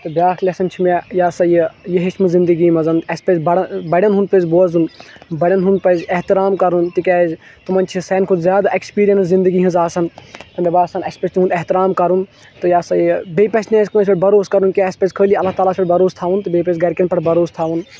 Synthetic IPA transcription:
t̪ɨbʲjaːkʰlʲɐsɐnt͡ʃʰimejaːsɐjijɐɦet͡ʃʰmɨzĩnd̪ɨɡiːmɐzɐnɐspesbɐɽbɐɽʲɐnɦũnd̪pɐzboːzunbɐɽʲɐnɦunpɐzeɦt̪iɾaːmkɐɾunt̪ikʲɛːzt̪umɐnʲt͡ʃʰisɛːnkʰud̪zjaːd̪aekspiːɾijɐnszind̪ɨɡiːɦĩnzaːsɐnt̪ɐnd̪ɐbaːsɐnɐspest̪uɦund̪eɦt̪iɾaːmkɐɾun | t̪ɨjaːsɐjbeːpʲɐsnẽːskmɐt͡ʃʰʲpɐʈbɐɾoːskɐɾunkʲeɐspeskʰəːliɐlːaɦt̪aːlaːsʰɐʈbɐɾoːst̪ʰaːʋunt̪ɨbeːpʲɐsɡɐɾʲkʲɐnpɐʈbɐɾoːst̪ʰaːʋun

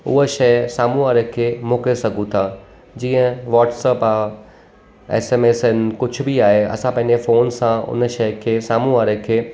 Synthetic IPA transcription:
ʊ̰ɦeʃɐjsaːmũaːɾəkʰeːmoːkɾesɐɡʱũt̪ʰaː | d͡ʑĩːə̃ʋaːʈseːpaː | ḛːseːmeːsenkʊd͡ʑʱʊ̆biaːɦeɐ̰sãpɐ̃ɦɪ̃ɲ̆d͡ʑefoːnsãʊ̰nʃɐjkʰeːsaːmũaːɾəkʰeː

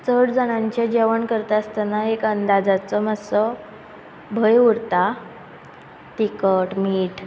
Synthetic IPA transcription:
t͡səɽd͡zəɽ̃ãɲt͡ɕad͡ʑɛʋəɳkəɾt̪aəst̪anaekənd̪ad͡zat͡sɔmasɔ | bʱəjuɾt̪a | t̪ikəʈmiːʈ

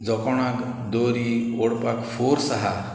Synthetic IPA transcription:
d͡zɔkɔɽ̃ak | d̪oɾioɽpakpʰoɾsaɦa

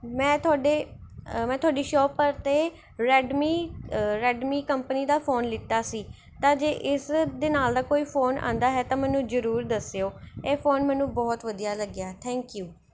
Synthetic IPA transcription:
mɛ̃ːt̪ʰʊaːɖeːmɛ̃ːt̪ʰʊaːɖiːʃoːpəɾt̪eː | ɾɛːɖmiːɾɛːɖmiːkəmpəniːd̪aːpʰoːnlɪt̪ːaːsiː | t̪ãːd͡ʒeːʔɪsd̪eːnaːld̪aːkoːiːpʰoːnʔã̰ːnd̪aːɦɛːt̪ãːmɛːnũːzəɾuːɾd̪əseoːeːpʰoːnmɛ̃ːnũːbɔːt̪ʋəd̪ijaːləɡjaːt̪ʰɛ̃ːŋkjuː

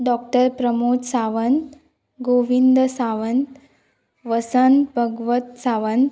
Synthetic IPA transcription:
ɖɔk̚ʈəɾpɾəmod͡ʒsaʋən | ɡoʋind̪əsaʋən | ʋəsənbʱəɡʋət̪saʋən

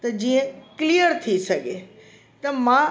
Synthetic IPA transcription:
t̪ɐd͡ʒĩːə̃klijəɾt̪ʰisɐɠe | t̪ɐmã

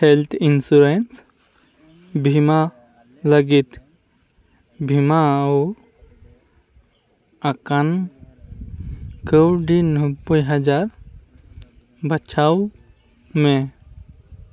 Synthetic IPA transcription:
helt̪ʰinsuɾens | bʱima | ləɡit̪ | bʱimao | əkan | kəwɖinəbːəjɦəd͡ʒaɾ | bət͡ʃʰaw | mẽ

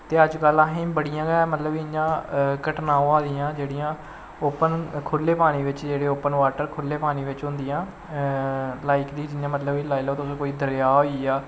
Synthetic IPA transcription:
t̪eːəd͡ʒkəlaːɦẽːbəɽijãːɡɛmət̪ləbɪãːkəʈnaːõːãːd̪ijãːd͡ʒeːɽijãː | oːpənkʰʊlːeːpaːñiːʋɪt͡ʃd͡ʒeːɽeːoːpənʋaːʈəɾkʰʊlːeːpaːñiːʋɪt͡ʃɦʊ̃nd̪ijãː | laːɪkd̪iːd͡ʒɪnjãːmət̪ləbiːlaːiːloːt̪ʊsõːkoːiːd̪əɾjaːɦoːiːaː

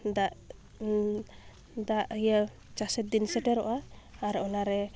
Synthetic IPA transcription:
d̪aʔ | d̪aʔjə | t͡ʃasɛt̪̚d̪insɛʈɛɾɔʔaːɾɔnaɾɛ

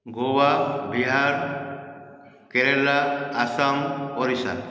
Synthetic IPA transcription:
ɡɔwabiɦaɾ | kɛɾɛlaːsaŋɔɾisa̰

